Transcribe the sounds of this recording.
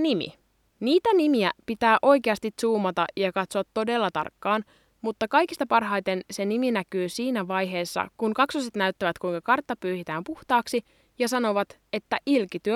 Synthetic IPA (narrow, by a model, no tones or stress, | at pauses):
nimḭ | niːt̪ænimiæpit̪æːʔo̞jkeɑst̪it̪suːmɑt̪ɑjɑkɑt̪soɑt̪ːo̞de̞lːɑt̪ɑ̰rkːɑːn | mut̪ːɑkɑjkist̪ɑpɑrɦɑjt̪e̞nse̞niminækyːsiːnæʋɑjɦe̞ːsːɑ̰kunkɑksoset̪næyt̪ːæʋæt̪kujŋkɑkɑrt̪ːɑpyːhit̪æːmpuht̪ɑːksi | jɑsɑno̞ʋɑt̪ | e̞t̪ːæʔilkit̪yø